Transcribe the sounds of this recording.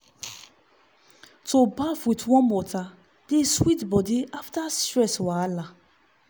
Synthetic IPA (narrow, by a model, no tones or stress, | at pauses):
tʰobafitwɔ̃mbɔtʰa | d̥eswitbɔdiaftastɹɛswala